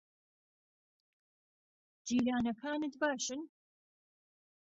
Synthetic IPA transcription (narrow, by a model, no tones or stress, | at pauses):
d̪̥iːɾaːnɐkʰaːnɨt̪baːʃɨn